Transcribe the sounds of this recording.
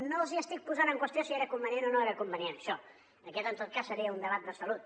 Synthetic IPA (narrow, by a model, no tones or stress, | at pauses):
noziəst̪ik̚puzanəŋkwəst̪josieɾəkumbənienonoeɾəkumbənienəʃɔ | d̪əkɛt̪ənt̪ot̪̚kassːəɾiəund̪əβat̪̚d̪əsəlut̪̚